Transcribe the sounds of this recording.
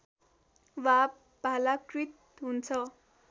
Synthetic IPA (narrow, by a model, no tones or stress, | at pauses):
wab | bʱalakrit̪̚ | ɦunt͡sʰʌ